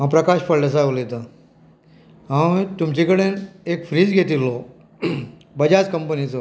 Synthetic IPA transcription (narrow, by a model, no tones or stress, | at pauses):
ɦãpɾɐkaɕpəɽles̬aolet̪a | ɦãwt̪umt͡ɕikəɽẽnekfʰɾiːd͡zɡʱet̪ilːo | bɐd͡ʑat͡skɐmpənit͡sə